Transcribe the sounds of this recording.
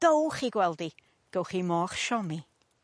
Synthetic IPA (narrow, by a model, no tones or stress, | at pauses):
ð̥owχiɡwɛlˠdi | ɡ̥owχimɔːχʃɔmi